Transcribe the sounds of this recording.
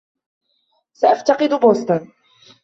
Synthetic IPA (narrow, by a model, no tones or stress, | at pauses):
saʔaft̪ɑqɨd̪ʊboːst̪ʊn